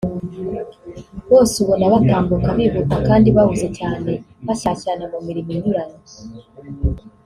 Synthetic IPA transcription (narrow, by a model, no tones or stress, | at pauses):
βoːsuβonaβataːmbukaβiːβukakaːndiβaβuze̞caːne̞ | βasasanamumiɾiminuɾani